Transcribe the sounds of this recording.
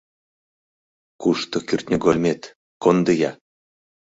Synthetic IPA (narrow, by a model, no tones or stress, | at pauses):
kuʃt̪ŏkyrt̪ʲnʲəɡolʲmʲet̪ | kond̪ɤjɑ